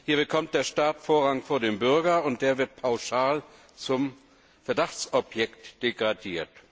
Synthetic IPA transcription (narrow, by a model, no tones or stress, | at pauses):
hiːɐbəkʰɔmt̚d̥eːɐʃtaːtfoːɐʁaŋfoːɐdeːmbʏɐɡɐʊnt̚d̥eːɐvɪɐt̚pʰaʊʃaːl | t͡sʊm | fɛɐdaχt͡sɔpjɛktd̥eɡʁadiːɐt